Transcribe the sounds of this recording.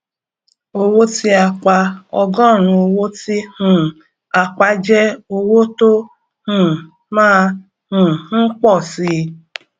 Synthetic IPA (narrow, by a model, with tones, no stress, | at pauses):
o˧wo˦ti˦a˧k͡pa˧ɔ̰˧ɡɔ˦˨ɾ̃ũ˧o˧wo˦ti˦hũ˨ | a˨k͡pa˧d͡ʒɛ˦o˧wo˦to˦ | hũ˨ | mãː˦˧ | hũ˨n̩˦k͡pɔ˦˨si˧